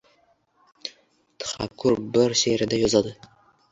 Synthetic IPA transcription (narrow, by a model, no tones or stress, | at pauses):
t̪ʰḁχa̰kʰːʊɾbɪɾʃeɾɪd̪ajɒzɒd̪ɪ